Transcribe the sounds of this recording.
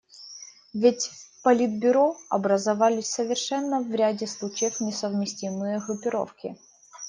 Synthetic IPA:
vʲɪtʲpɐlʲid̪̚bʲʊɾoɐ̰bɾəzɐvalʲɪsʲsəvʲɪrʂɛnːəvɾʲadʲɪslˠut͡ɕɪjəfnʲɪsəvmʲɪsʲtʲimɨjəɣɾʊpʲɪɾo̰fkʲɪ̰

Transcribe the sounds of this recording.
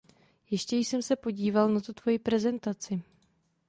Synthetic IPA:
jɛʃcɛjɪsɛmsɛpo̞ɟiːvalnat̪ot̪vo̞jipɾɛzɛnt̪at͡sɪ

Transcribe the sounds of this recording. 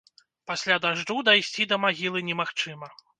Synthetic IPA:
pasʲlʲad̪aʐud̪ajsʲt͡sʲid̪ɐmaɣʲilˠɨnʲɛmaxt͡ʂɨmɐ

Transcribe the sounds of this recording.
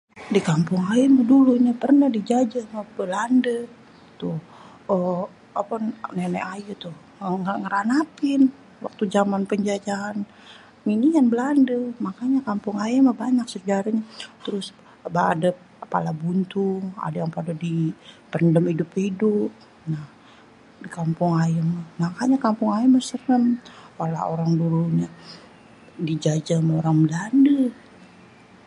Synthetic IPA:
dikampʊŋajəmaduluɲapərnadid͡ʒad͡ʒamabəlandə | t̪ʊh | ə | apannɛna̰ʔajut̪ʊh | əŋəŋəɾanapɪn | wa̰k̚t̪ud͡ʒamanpəɲd͡ʒad͡ʒaːn | minianbəlandəmakaɲakampʊŋajəmabaɲak̚səd͡ʒaɾaɲat̪əɾʊs | baːdəp̚pa̰labunt̪ʊŋa̰dajaŋpadadipəndəmidʊphidʊp̚ | nah | dikampʊŋajəmahmakaɲakampʊŋajəməsərəmwala̰o̰ɾaŋduluɲa | did͡ʒad͡ʒamaoɾaŋbəlandə

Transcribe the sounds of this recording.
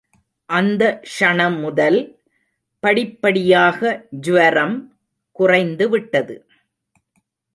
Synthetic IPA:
ʔɐnd̪ɐʂɐɳɐmːʊðɐl | pɐɽɪpːɐɽɪjaːɣɐd͡ʒʊʋɐɾɐm | kʊrɐɪnd̪ɯʋɪʈːɐðɯ̰

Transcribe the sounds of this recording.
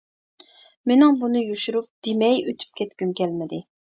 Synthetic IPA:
menɪŋbunɨjuʃuɾup̚d̪̥emɛjøt̪ʰy̥p̚kʲʰɛt̪kʲymkʲɛlmɪd̪ɪ

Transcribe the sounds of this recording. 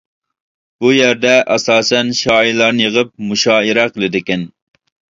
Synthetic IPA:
b̥ujæɾd̪ɛʔɑsɑːsɛnʃɑːilˠɑɾnɨjəʁəp̚muʃɑːiɾɛqʰəlˠɨd̪ɪkʲɛn

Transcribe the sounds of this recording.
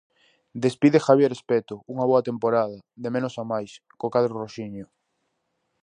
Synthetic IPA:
d̪espiðexaβjeɾespet̪ʊuŋaβoat̪empoɾað̞ɐðemenʊsamajs | kokaðɾoroʃiɲo

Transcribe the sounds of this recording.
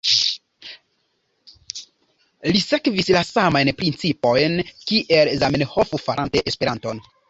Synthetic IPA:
lise̞kvislasamajnpɾint͡sipo̞jnkiʔelzamenhofufaɾʔanteʔespe̞ɾanto̞n

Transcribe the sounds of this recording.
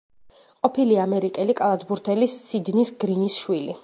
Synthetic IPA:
qʼɔpʰiliamɛɾikʼɛlikʼalˠad̪buɾt̪ʰɛlisːid̪nisɡɾinisʃwili

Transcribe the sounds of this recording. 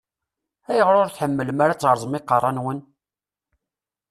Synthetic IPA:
æjəʁɾʊɾθħəmːələmaɾat͡sːˤɑɾˤzˤmiqːɑrˤːɑnwən

